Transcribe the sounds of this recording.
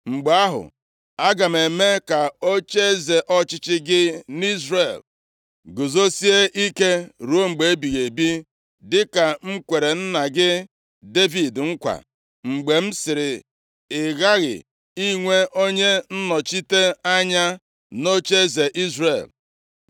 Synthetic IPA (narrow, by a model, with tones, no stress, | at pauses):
ŋ͡m̩˨ɡ͡be˨a˦ɦʊ̰˨ | a˦ɡa˨m̩˨e˨me˦ka˨o˦t͡ʃe˦ze˨ʔɔ˦t͡ʃɪ˦t͡ʃɪ˦ɡɪ˦ni˦zre˨l | ɡo˨zo˦si˦e˦ʔi˦ke˦ɾu˦o˦ŋ͡m̩˨ɡ͡be˨e˦bi˨ɣe˨bi˦ | dɪ˦ka˨ŋ͡m̩˦kʷe˨ɾe˨n̩˦na˨ɡɪ˦ | de˦vi˨dŋ̩˦kʷa̰˨ | ŋ͡m̩˨ɡ͡be˨m̩˦sɪ˨ɾɪ˨ | ɪ˨ɣa˦ɣɪ̰˨ | i˦ŋʷe˦ʔo˦ɲe˦n̩˦nɔ˨t͡ʃi˦te˦a˦ɲa˦ | no˦t͡ʃe˦ze˨ʔi˦zre˨l